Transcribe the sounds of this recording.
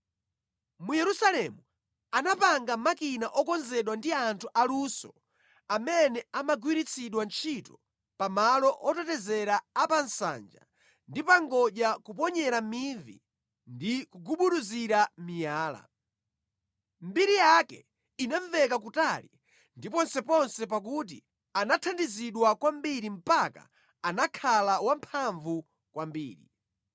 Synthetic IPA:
mujɛɾusalɛmu | anapaŋɡamakinaʔɔkɔnzɛɗwandiantʰuʔalusɔ̰ | amɛnɛamaɡwiɾit͡sʰiɗwant͡ʃʰitɔ | pamalɔʔɔtɛtɛzɛɾaːpansa̰nd͡ʒa̰ | ndipaŋɡɔʄakupɔɲɛɾamivḭ | ndikuɡuɓuɗuziɾamijaːla̰ | mbiɾijakɛ | inaɱvɛkakutalḭ | ndipɔnsɛpɔnsɛp̬ak̬ut̬ḭ | anatʰandiziɗwakwambiɾim̩paka̰ | anakʰalawam̩pʰaɱvu | kwambḭːɾḭ

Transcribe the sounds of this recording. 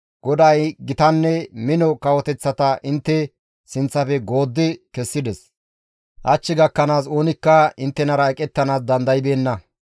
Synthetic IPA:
ɡ̥ɔd̪ajɡɪt̪ɐnːɛmɪnɔkɐwɔt̪ɛt͡sːɐt̪ɐʔɪnt̪ːɛ | sɪnt͡sːɐfɛɡo̞ːd̪ːɪkɛsːɪd̪ɛs | ʔɐt͡ʃːɪɡɐkːɐnaːs̬o̞ːnɪkːɐɪnt̪ːɛnɐɾɐɛkʼɛt̪ːɐnaːs̬d̪ɐnd̪ɐjɪbe̞ːnːɐ

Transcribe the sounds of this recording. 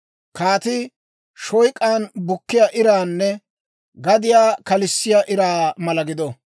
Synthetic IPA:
kaːt̪ɪ | ʃɔjkʼːaːnbʊkːɪjaʔɪɾaːnːɛ | ɡɐd̪ɪjaːkɐlɪsːɪjaːʔɪɾaːmɐlɐɡɪd̪ɔ

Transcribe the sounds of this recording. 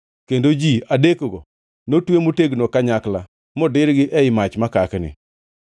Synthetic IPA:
kendod͡ʒiadekoɡo | notwemoteɡnokaɲakla | mɔdɪɾɡɪʔɛɪmat͡ʃmakaknɪ̰

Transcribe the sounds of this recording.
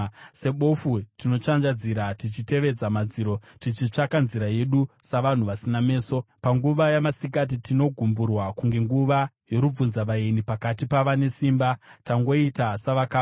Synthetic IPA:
se̞ɓo̞futino̞t͡ʂand͡ʒad͡ziɾatit͡ʃite̞ʋe̞d͡zamad͡ziɾo̞tit͡ʃit͡ʂakanziɾaje̞ɗusaʋan̤uʋasiname̞ːso̞paŋɡuʋajamasikat̬itino̞ɡʱumburwakuŋɡe̞ŋɡuʋa | jo̞ɾub͡vunzaʋaenipakatipaʋane̞siːmbataŋɡo̞itasaʋakaː

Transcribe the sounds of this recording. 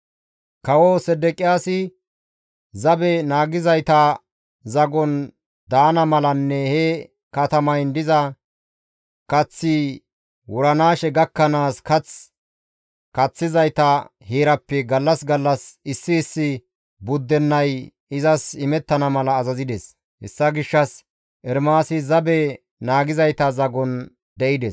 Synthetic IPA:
kɐwɔsɛd̪ɛkʼɪjaːsɪ | zɐbɛnaːɡɪzɐjt̪ɐ | zɐɡɔn | d̪aːnɐmɐlɐnːɛhɛ | kɐt̪ɐmɐjnd̪ɪzɐ | kɐt͡sːi | wʊɾɐnaːʃɛɡɐkːɐnaːskɐt͡s | kɐt͡sːɪzɐjt̪ɐheːɾɐpːɛɡɐlːɐsɡɐlːɐsɪsːɪːsːɪ | bʊd̪ːɛnːɐj | ɪzɐsɪmɛt̪ːɐnɐmɐlɐːzɐzɪd̪ɛs | hɛ̰sːɐɡɪʃːɐs | ʔɛɾmaːsɪzɐbɛ | naːɡɪzɐjt̪ɐzɐɡɔn | d̪ɛʔɪd̪ɛs

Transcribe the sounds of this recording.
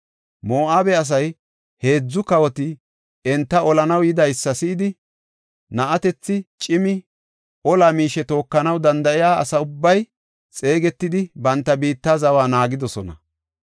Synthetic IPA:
moːʔaːbɛɐs̬ɐj | he̞ːd͡zːʊkɐwɔt̪ɪ | ɛnt̪ːɐɔlɐnɐwjɪd̪ɐjsːɐsɪʔɪd̪ɪ | nɐʔɐt̪ɛt͡sːɪt͡ʃʼɪmɪ | ʔɔlaːmiːʃɛt̪o̞ːkːɐnɐwd̪ɐnd̪ɐʔɪjaːɐ̰sɐʊbːɐj | t͡sʼe̞ːɡɛt̪ːɪd̪ɪbɐnt̪ːɐbiːt̪ːaːzɐwaːnaːɡɪd̪ɔsɔnɐ̰

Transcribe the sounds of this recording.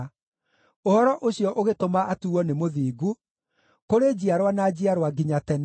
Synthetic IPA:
ohɔɾɔʔoɕiɔʔoɣetomaʔatuɔnemoðiːɡu | koɾed͡ʑiaɾwanad͡ʑiaɾwaɡiɲatɛn

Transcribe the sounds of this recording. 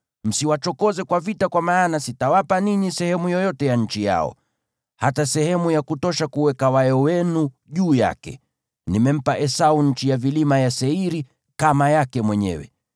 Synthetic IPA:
m̩siwat͡ʃɔkɔzɛkwavitakwamaːnasitawapaniɲisɛhɛmujɔjɔtɛjaɲ̩t͡ʃija̰ɔ̰ | hatasɛhɛmujakutɔʃakuwɛkawajɔwɛnu | ʄuːja̰kɛ̰ | nimɛm̩paʔɛsauɲ̩t͡ʃijavilimajasɛiɾi | kamajakɛmwɛɲɛ̰wɛ̰

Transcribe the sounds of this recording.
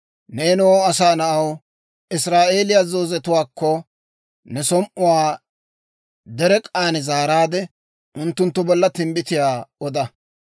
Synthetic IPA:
neːnʊwoːɐsaːnɐʔɐw | ʔɪsɾaːʔe̞ːlɪjaːzo̞ːzɛt̪ʊwaːkːɔ | nɛsɔmʔʊwaː | d̪ɛɾɛkʼaːnɛzaːɾaːd̪ɛ | ʔʊnt̪ːʊnt̪ːʊbɔlːɐt̪ɪmbɪt̪ɪjaːɔd̪ɐ

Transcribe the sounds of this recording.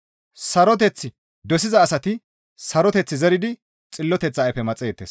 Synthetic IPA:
sɐɾɔt̪̬ɛt͡sːɪ | d̪ɔsɪzɐːsɐt̪ɪ | sɐɾɔt̪ɛt͡sːɪzɛɾɪd̪ɪ | t͡sʼɪlːɔt̪ɛt͡sːajfɛmɐt͡sʼeːt̪ːeːs

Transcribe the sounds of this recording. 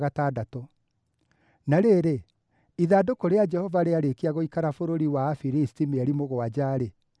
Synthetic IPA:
ɣatadato | naɾeɾe | iðadokoɾead͡ʒɛhɔvaɾeaɾekiaɣoikaɾafoɾoɾiwaːfiɾisi̥timeaɾimoɣoad͡ʑaːɾe

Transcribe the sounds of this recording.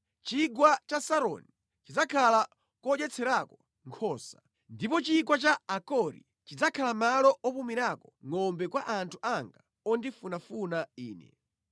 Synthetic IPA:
t͡ʃiɡwat͡ʃasaɾɔ̰ni | t͡ʃid͡zakʰala | kɔɗɛt͡sʰɛɾakɔ | ŋkʰɔːsa | ndipɔt͡ʃiɡwat͡ʃaakɔɾḭ | t͡ʃid͡zakʰalamalɔʔɔpumiɾakɔŋɔmbɛkwaʔantʰu̥ʔaŋɡa | ɔndifunafunaiːnɛ̰

